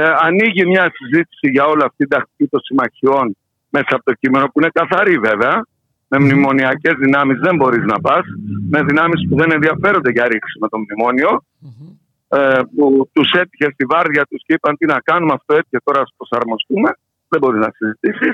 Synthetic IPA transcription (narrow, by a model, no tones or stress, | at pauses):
ɐniʝimɲɐsizit̪i̥siʝɐo̞liɐft̪id̪ɐxt̪i̥cit̪o̞nsimɐçio̞n | me̞sɐɐːpo̞t̪o̞cime̞no̞puine̞kɐθɐɾive̞ve̞ɐ | me̞mnimo̞niɐce̞zðinɐmizðe̞mbo̞ɾiznɐpɐsme̞ðinɐmispuðe̞ne̞nðiɐfe̞ɾo̞nd̪e̞ʝɐɾiksime̞t̪o̞mnimo̞nio̞ | put̪use̞t̪içe̞st̪ivɐɾðʝɐt̪usceipɐnt̪inɐkɐnumɐft̪oe̞t̪içet̪o̞ɾɐspɾo̞sɐɾmo̞st̪ume̞ | ðembo̞ɾiznɐsizit̪isis